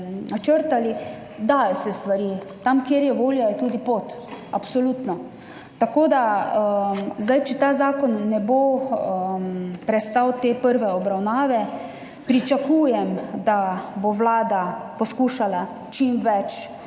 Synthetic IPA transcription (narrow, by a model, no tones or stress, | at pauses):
nat͡ʃəɾt̪ali | d̪aːjɔsɛst̪ʋaɾi | t̪amkjeːɾjɛʋoːljajɛt̪uːd̪ipoːt̪ | apsɔluːt̪nɔ | t̪akoːd̪a | zd̪ajt͡ʃɛt̪aːzaːkɔnːɛbo | mpɾɛst̪awt̪eːpəɾʋɛɔbɾawnaːʋɛ | pɾit͡ʃakuːjɛmd̪aboʋlaːd̪apɔskuːʃala | t͡ʃimʋɛt͡ʃ